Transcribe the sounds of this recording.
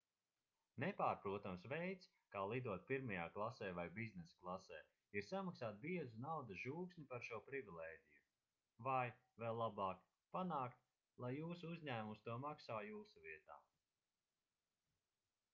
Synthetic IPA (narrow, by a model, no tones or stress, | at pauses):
nepaːɾpɾuɔt̪amsvɛjt̪s | kaːlˠid̪uɔt̪̚pʲiɾmajaːklˠasɛːvajbiznɛsklˠasɛ̰ː | iɾsamaksaːt̪̚biɛzunawd̪ɐʒuːksʲnʲipaɾʃuɔpɾivilˠɛːɟʲiju | vaj | vɛlˠlːˠabɑːk | panaːkt̪̚ | lˠajːuːsuuzʲɲæːmust̪uɔmaksaːjuːsuviɛt̪a̰ː